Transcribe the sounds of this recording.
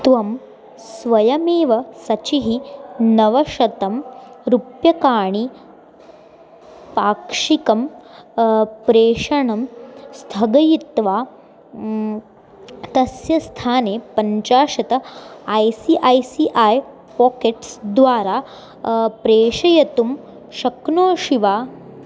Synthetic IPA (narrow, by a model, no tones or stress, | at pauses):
t̪ʋɐm | sʋɐjɐmeːʋɐsɐt͡ɕiɦinɐʋɐʂɐt̪ɐmɾupjɐkaːɳ̃i | paːkʂikɐm | pɾeːʂɐɳɐmst̪ʰɐɡɐjit̪ʋaː | t̪ɐsjɐst̪ʰaːneːpɐɲt͡ɕaːʂɐt̪ɐajsiʔajsiʔaj | pɔːkeʈsd̪ʋaːɾa | pɾeːʂɐjɐt̪um | ɕɐknoːʃiʋaː